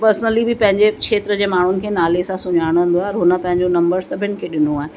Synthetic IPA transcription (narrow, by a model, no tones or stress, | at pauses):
pəɾsnəlibɪpɐ̃ɦɪ̃ɲd͡ʑekʃeːt̪ɾəd͡ʑeːmaːɳ̤ʊnɪ̆kʰeːnaːlesãsʊɲaːɽ̃nd̪oaɦɔɾɦʊnəpɐ̃ɦɪ̃ɲd͡ʑonɐ̃mbəɾsɐbʱɪənɪ̆kʰeːɗɪnuaːɦẽ